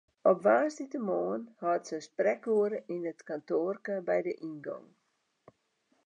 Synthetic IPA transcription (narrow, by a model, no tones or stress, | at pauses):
ɔpʋaːsditəmoːənhɔətsəsprɛkuəɾəʔinətkantoːrkəbɛjdəʔinɡɔ̰ŋ